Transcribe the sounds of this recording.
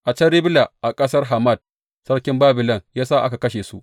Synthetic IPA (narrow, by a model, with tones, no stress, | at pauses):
ʔa˨t͡ʃɐ˦ɾɪ˦bla˨ʔa˨kʼɐ˦sɐ˦rɦa˨mɐ˦˨d̚ | sɐ˦ɽkʲɪ˦mbaː˦bɪ˨lɐ˦˨ŋjaː˦saː˦ʔa˦ka˨kɐ˦ʃeː˨su˦ʔ